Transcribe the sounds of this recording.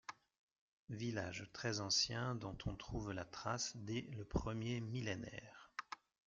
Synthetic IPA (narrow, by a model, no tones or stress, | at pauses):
vilaʒt̪χɛzɑ̃sjɛ̃d̪ɔ̃t̪ʰɔ̃t̪χuvlat̪χasd̪ɛləpχəmjemilenɛ̰ːʁ